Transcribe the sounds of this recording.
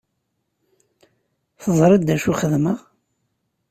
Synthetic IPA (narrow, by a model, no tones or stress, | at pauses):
θəzˤɾˤɑd̪ːæʃuχəðməʁ